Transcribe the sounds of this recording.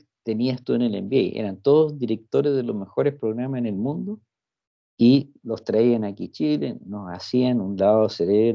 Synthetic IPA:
t̪e̞niast̪uenelḛmbiejḛɾant̪oðozðiɾe̞k̚t̪oɾezðelome̞xo̞ɾespɾoɣɾamasenelmũnd̪o | i | lost̪ɾaianakit͡ʃilḛnosasianunlaðoseɾeβɾ

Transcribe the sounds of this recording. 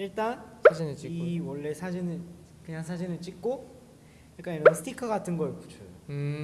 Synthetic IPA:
iɭt͈ansʰad͡ʑinɯt͡ɕ͈iwʌɭːe̞sʰad͡ʑinɯɭ | kɯɲaŋsʰad͡ʑinɯɭt͡ɕ͈ik̚k͈o | iɭk͈aiɾʌsʰɯ̥tʰikʰʌɡatʰɯnɡʌjokut͡ɕʰo

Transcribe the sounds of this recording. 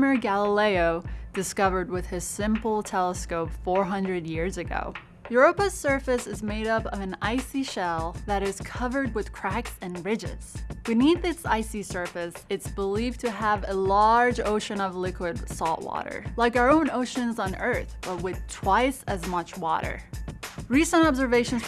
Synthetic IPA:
mə˞ɡælˠəleɪoʊd̥ɨskʌvə˞d̚wɨð̥ɪz̥sɪ̃mpl̩ˠtʰɛlˠəskoʊpfɔɹɦʌ̃ndɹɨd̚jɪɹzɨɡo̰ʊ | jɹopɨ̥sɜ˞fɨsɨzmeɪɾʌpʌvɨ̃naɪsiʃɛlˠðɨɾɨz̥kʰʌvə˞d̚wɨð̥kʰɹ̥æksɨ̃nɹɪd͡ʒɪ̰z̥b̥ɨniθɨtsaɪsisɜ˞fɨsɨtsb̥əliv̥tʰɨəvɨlɑɹd͡ʒoʊʃɨ̃nʌvlɪkwɨd̥sɔlˠʔwɔ̰ɾə̰˞laɪkaʊə˞õʊ̃noʊʃɨ̃nzn̩ɜ˞θb̥ʌt̚wɨð̥tʰw̥aɪsɨzmʌt͡ʃwɔ̰ɾə̰˞ɹisə̃ntɑbzə˞veɪʃɨ̃n̩z

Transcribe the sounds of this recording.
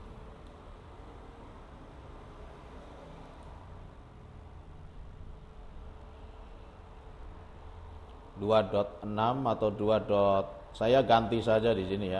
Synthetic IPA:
duadɔt̪̚ənamat̪awduadɔt̪̚ | sajaɡant̪isad͡ʒadisinija

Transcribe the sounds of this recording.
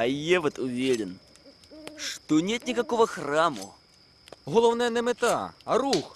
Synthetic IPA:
ɐjɛvɐt̪ʊvʲeɾʲɪn | ʂt̪ɔnʲet̪nʲikɐkɔvɐxramʊ̰ | ɦɔlˠɔwnɛjnɛmɪt̪a̰ɐɾux

